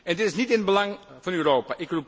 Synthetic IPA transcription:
ʔɛndɪtɪsnitɪnbəlɑŋvɔnyrowpaʔɪkrup

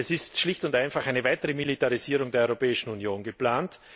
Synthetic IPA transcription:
ɛsɪstʃlɪçtʊntaɪnfaχaɪnəvaɪtəʁəmilitaʁiziːʁʊŋdeːɐɔʁopɛːɪʃn̩unjoːnɡəplaːnt

